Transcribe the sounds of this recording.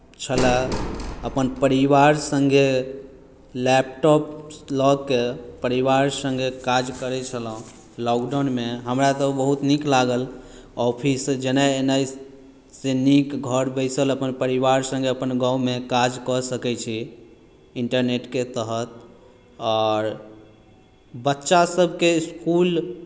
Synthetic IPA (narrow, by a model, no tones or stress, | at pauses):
t͡ʃʰələ | əpənpəɾiʋaɾsə̃ŋɡʱe | lɛp̚ʈɔplɔɡ̚kepəɾiʋaɾsə̃ŋɡʱekad͡ʒkəɾɛt͡ʃʰələɦũ | lɔkɖanmeɦəmɾat̪ɔbəɦut̪niklaɡəl | ɔpʰisd͡ʒenaenaj | senikɡʱəɾbəɪsələpənpəɾiʋaɾsə̃ŋɡeəpənɡãwmekad͡ʒkɔsəkɛt͡ʃʰi | iɳʈəɾneʈket̪əɦət̪̚ | ɔɾ | bətːʃasəbʱkeskul